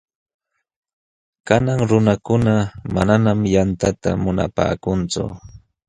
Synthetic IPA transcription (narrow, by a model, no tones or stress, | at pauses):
kanaŋɾʊnakʊnama̰nanamjant̪at̪a̰mʊna̰pa̰ːkʊnt͡sʊ̰